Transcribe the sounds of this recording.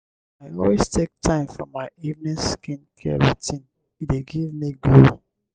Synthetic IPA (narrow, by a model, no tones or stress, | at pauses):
aɪɔlwestʰek̚tʰãɪ̃mfɹɔ̰maɪivnĩskĩnkʰɛ̰ɹitĩn | ideɡivmiɡlo